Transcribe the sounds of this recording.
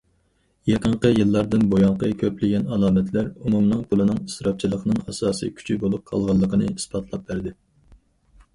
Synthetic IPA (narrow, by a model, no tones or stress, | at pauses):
jeqəɴqəjɨlˠːɑɾd̪ɨnbojɑɴqəkʲʰøplɪɡʲɛnɑlˠɑːmɛt̪ʰlæɾumumnɨŋpʰulˠɨnɨŋisɾɑp̚t͡ʃʰilˠəqnɨŋɑsɑːsḭkʲʰy̥t͡ʃʰybolˠup̚qʰɑ̰lˠʁɑlˠːəqənɨ̰ispɑt̪ʰlˠɑp̚bæɾd̪ɪ